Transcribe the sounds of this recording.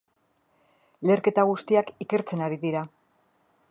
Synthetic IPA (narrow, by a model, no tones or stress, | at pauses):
le̞ɾke̞t̪aɣust̪iakike̞ɾt͡se̞naɾiðiɾa